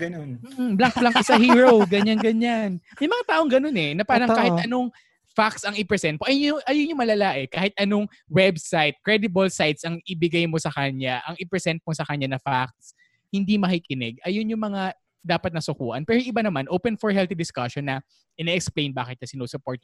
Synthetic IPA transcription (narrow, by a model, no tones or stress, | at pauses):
ɡɐnonm̩ːblaŋk̚blaŋkɪsahiɹowɡɐɲanɡɐɲanmɐjmɐŋat̪aːʔoŋɡɐno̞nɛnɐpaːɾɐŋkaːhɪt̪ɐno̞ŋ | fak̪̚sɐŋɪpɹɛsɛnt̪̚oʔɐjnʊʔɐjonjʊŋmɐlalaːʔɛkaːhɪt̪̚ʔɐnoŋ | wɛbsajt̪̚kɹɛd̪ɪbɐlsajt̪sɐŋɪbɪɡɐjmo̞sɐkɐɲaʔɐŋɪpɹɛsɛnt̪̚mosɐkɐɲanɐfak̚t̪s | hɪnd̪imɐkikɪnɛɡ̚ʔɐjonjʊŋmɐŋa | d̪aːpɐt̪̚nɐsʊkṵːʔɐ̰npɛːɾojŋʔɪbanɐmanʔowpɛnfɔɹɦɛlt̪id̪ɪskaʃonːɐ | ʔɪnɛːʔɛksplẽjnba̰ːkɪt̪̚nɐsɪnosʊpoɹt̪̚